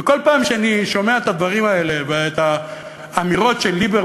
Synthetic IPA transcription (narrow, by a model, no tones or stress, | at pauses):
eko̞lpaːmʃeaniʃo̞me̞aet̪ad̪vaʁimae̞le̞veet̪aː | miʁo̞tʃelːibe